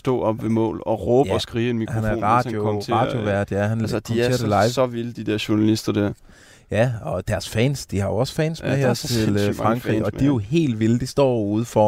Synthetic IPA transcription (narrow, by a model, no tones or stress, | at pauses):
sd̥ɔ̰ːɒb̥ʋe̝mɔ̰̽ːlɒ̽ʁɔːbɒsɡ̥ʁiːenmihænæɐ̰ʁɑ̈djoɔmʰɑ̈djo̝ʋæɐ̰d̥jæhæn̥ʰe̝̰ɐd̥elɑ̈ɪsɒʋild̥id̥æɐɕunælisd̥ɐd̥æɐ̰ | jæɒ̽d̥æɐsfɛ̰ːnsd̥ihɑ̈jo̝ɒ̽sfɛ̰ːnsmeɦɐt͡sʰe̝lfʁɑ̈ŋɡ̥ʁḭɒ̥̽ijo̝he̝̰ːld̥ʋild̥isd̥ɒ̰ːuːð̞ˠfɒ